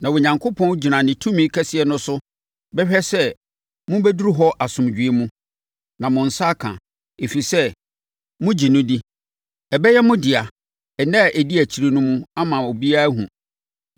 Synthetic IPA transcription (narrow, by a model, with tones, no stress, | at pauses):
nã˨wʊ˨ɲã˨ŋkʰo˦pʰɔ̃˦nd͡ʑi˨nã˨nɪ̃˨tʰũ˦mĩ˦kʰɛ˦sɪ˨ɛ˨nʊ̃˦sʊ˦ | bɛ˦ɕᶣɛ˦sɛ˦ | mʊ̃˦bɛ˦du˦ɾu˦ɦɔ˦ʔa˨sʊ̃˨md͡ʑᶣi˨e˦mũ˦ | nã˨mʊ̃˨n̩˨sa˦kʰã̰˨ | e˨fi˨sɛ˦ | mʊ̃˦d͡ʑi˨nʊ̃˦di˦ | ɛ˨bɛ˦jɛ˦mʊ̃˦dɪ˨a˨ | ɛ˨nã˦˨ʔɛ˨di˦æ˨t͡ɕʰi˨ɾi˨nʊ̃˦mũ˦a˦mã˨o˨bi˦a˦ɦũ˨